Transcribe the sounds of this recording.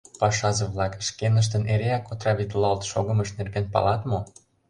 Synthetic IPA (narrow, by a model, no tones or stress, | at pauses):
pɑʃɑzəβlɑkʃkenəʃ̬t̪əneɾeækot̪rɑβit̪lɑlt̪ʃoɣə̆məʃnerɣenpɑ̰lɑt̪mo